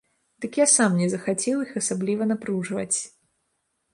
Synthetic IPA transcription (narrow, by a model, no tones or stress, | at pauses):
d̪̥ɨkjasamnʲɛzɐxat͡sʲɛwixɐsablʲivɐnapɾuʐvɐ̰t͡sʲ